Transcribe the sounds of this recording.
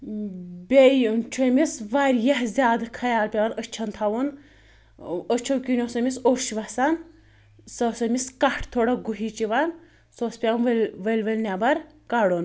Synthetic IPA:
bʲejt͡ʃʰomisʋaɾʲjɐɦzʲjaːd̪kʰɐjaːlpʲeʋɐnət͡ʃʰɐnt̪ʰɐʋun | ət͡ʃʰɐwkʲinʲosomʲisoʃʋɐsɐn | sɐsomiskɐʈʰt̪ʰoɽɐɡuɦiːt͡ʃiʋɐn | soːspʲeʋɐnʋʋəlʲʋəlʲnʲabɐɾ | kɐɽon

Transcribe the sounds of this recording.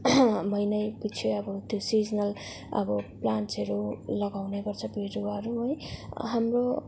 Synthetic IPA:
mʌjnʌjpit͡sʰeʌbʌt̪josid͡zʌnʌl | ʌ̰bʌplansʌɾulʌɡawnebʌrt͡sʰʌbiɾuʌɾuɦojɦamro

